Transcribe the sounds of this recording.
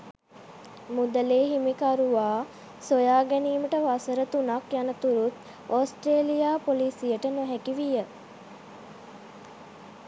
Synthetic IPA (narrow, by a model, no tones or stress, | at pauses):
mud̪əleːɦimikaɾuʋaː | sojaːɡæniːməʈəʋasəɾət̪unakjanət̪uɾut̪ | oːsʈɾeːlijaːpoliːsijəʈənoɦækiʋijə